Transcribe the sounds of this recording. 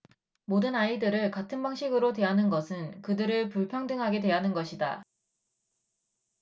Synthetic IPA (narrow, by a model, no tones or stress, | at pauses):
modɯnaidɯɾɯɭkatʰɯnbaŋɕʰiɡɯɾotwe̞ɦanɯnɡʌsʰɯnkɯdɯɾɯɭpuɭpʰjʌŋdɯŋɦaɡe̞dwe̞ɦanɯnɡʌɕʰida̰